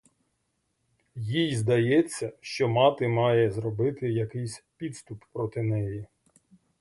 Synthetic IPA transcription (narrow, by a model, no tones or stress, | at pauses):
jijzd̪ɐjɛt͡sʲːɐʃt͡ʃɔmɑt̪ɪmɑjɛzɾɔbɪt̪ɪjɐkɪjsʲpʲid̪st̪ʊpːɾɔt̪ɪnɛji